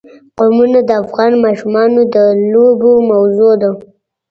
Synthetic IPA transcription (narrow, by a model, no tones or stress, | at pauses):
qomunad̪əafɣɑnmɑʃumɑnod̪əlobomawzod̪a